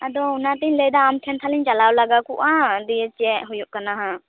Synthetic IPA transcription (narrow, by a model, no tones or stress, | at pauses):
ad̪ɔunat̪iɲləjd̪aːmkʰɛnt̪ʰaliɲt͡ʃalawlaɡakuʔad̪ijɛt͡ʃiɛʔɦujuʔkanaɦa